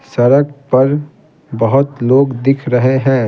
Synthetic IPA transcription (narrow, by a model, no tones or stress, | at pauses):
sɐɾəɡ̚pɐɾ | bɐɦʊt̪loːɡd̪ɪkʰɾɐɦeɦɛ̃ː